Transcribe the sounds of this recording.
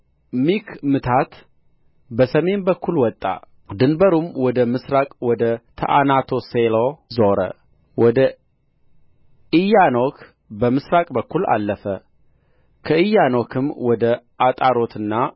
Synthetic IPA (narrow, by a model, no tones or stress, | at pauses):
mikmɨt̪ʰat̪ | bəsəme̞nbəkʰːulwɔt̪ʼːa̰ | d̪ɨnbəɾumwɔd̪əmɨsɾakʼwɔd̪ət̪ʰə̰ʔanat̪ʰo̞selozoɾə̰ | wɔd̪ə | ɨjanokʰ | bəmɨsɾakʼbəkːula̰lːəfə | kʰəʔɨjːanokʰɨmwɔd̪ə | at̪ʼaɾo̞t̪ʰɨnːa